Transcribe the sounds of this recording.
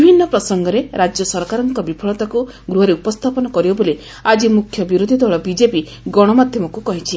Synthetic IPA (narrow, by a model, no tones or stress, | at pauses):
bʱinːɔpɾɔsɔŋɡɔɾeɾad͡ʒjɔsɔɾkaɾɔŋkɔbipʰɔɭɔt̪aku | ɡɾuɦɔɾeupɔst̪ʰapɔnɔkɔɾibɔboli | ad͡ʒimukʰjɔbiɾod̪ʱid̪ʱwaɭɔbid͡ʒepi | ɡɔɽ̃ɔmad̪ʱjɔmɔkukɔɦit͡ʃʰi